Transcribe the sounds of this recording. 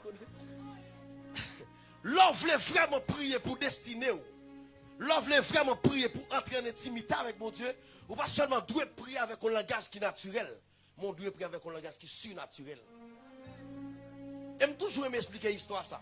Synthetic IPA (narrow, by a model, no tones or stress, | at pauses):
lɔvlevʁɛmɑ̃pʁijepud̪ɛst̪ineu | lɔvlevʁɛmɑ̃pʁijepuʔɑ̃t̪ʁeɑ̃nɛ̃timit̪eavɛk̚bɔ̃d͡zjø | upasœlmɑ̃d̪wepʁiavɛkɔ̃lɑ̃ɡaʒkinatyʁɛl | mɔ̃d̪wepʁiavɛkɔ̃lɑ̃ɡaʒkisyʁnatyʁɛl | em̩t̪uʒuʁemeɛksplikeist̪wasa̰